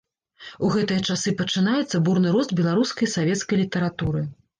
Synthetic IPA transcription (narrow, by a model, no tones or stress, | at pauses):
uɣɛt̪ɨjɐt͡ʂasɨpɐt͡ʂɨnajɛt̪sːɐburnɨɾuzd̪bʲɛlˠaɾuskɐjsavʲɛt̪skɐjlʲit̪ɐɾat̪uɾɨ